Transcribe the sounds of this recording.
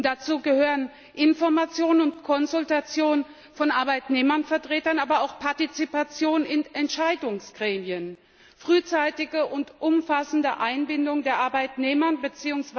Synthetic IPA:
td̥at͡suːɡəhøːʁən | ʔɪnfɔɐmat͡sjoːnənʊntkʰɔnzʊltat͡sjoːnn | fɔnʔaɐbaɪtneːmɐnfɛɐtʁ̥eːtɐnʔaːbɐaʊxpʰaɐtit͡sipat͡sjoːnnɪnɛntʃaɪdʊŋsɡ̥ʁeːmiən | fʁ̥yːt͡saɪtɪɡəʔʊntʔʊmfasn̩dəʔaɪnbɪndʊŋdeːɐʔaɐbaɪtneːmɐnbət͡siːʊŋs

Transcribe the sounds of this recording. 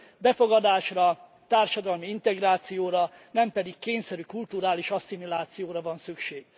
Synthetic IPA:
bɛfo̞ɡɒd̪aːʃrɒ | t̪aːrʃɒd̪ɒlmiint̪ɛɡraːt̪sijoːɾɒ | nɛmpɛd̪ikːeːɲsɛɾykult̪uɾaːliʃɒsimilaːt̪sijoːɾɒvɒnsykʃeːɡ̥

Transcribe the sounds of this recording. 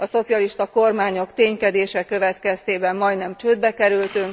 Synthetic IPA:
ɒso̞t̪sijɒliʃt̪ɒko̞rmaːɲo̞kt̪eːɲkɛd̪eːʃɛkø̞vɛt̪kɛst̪eːbɛmːɒjd̪nɛmt͡ʃøːd̪̚bɛkɛɾylt̪yŋk

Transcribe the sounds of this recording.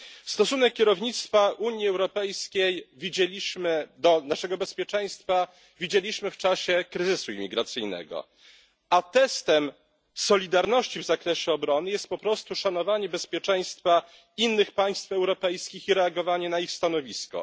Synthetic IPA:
st̪ɔsunɛkːʲjɛɾɔvɲit̪st̪faʔuɲjiɛwɾɔpɛjskʲejvʲid͡ʑɛimɘd̪ɔnaʂɛɡɔbɛspʲjɛt͡ʂɛj̃st̪fa | vʲid͡ʑelʲiɕmɘft͡ʂaɕɛkɾɘzɘsuimʲiɡɾat̪sɘjnɛ̰ɡɔ̰ | at̪ɛst̪ɛm | sɔlʲid̪aɾnɔɕt͡ɕivzakɾɛɕɛɔbɾɔnɘjɛst̪̚pɔpɾɔst̪uʂan̪ɔvaɲɛbɛspʲjɛt͡ʂɛj̃st̪fa | inːɘxpaj̃st̪fɛwɾɔpɛjskʲixiɾɛaɡɔvaɲɛnaixst̪anɔvʲiskɔ̰

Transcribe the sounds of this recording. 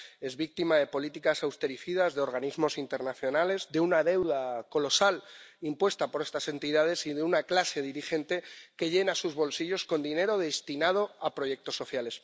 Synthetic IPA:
e̞zβik̚t̪imaðe̞po̞lit̪ikasawst̪e̞ɾiθiðazðeo̞ɾɣ̞anizmo̞sint̪e̞ɾnaθjo̞nale̞zðe̞unaðe̞wðako̞lo̞salimpwe̞st̪apo̞ɾest̪ase̞nt̪iðað̞e̞siðeunaklase̞ðiɾixe̞nt̪e̞ke̞ʎe̞nasuzβo̞lsiʝo̞sko̞nd̪ine̞ɾo̞ðe̞st̪inað̞o̞apɾo̞ʝe̞k̚t̪o̞sːo̞θjale̞s

